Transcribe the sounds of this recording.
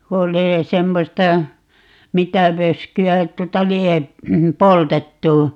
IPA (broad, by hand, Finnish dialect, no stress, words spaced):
ku oli semːostɑ mitæ ʋøskyæ tuotɑ lie poltetːu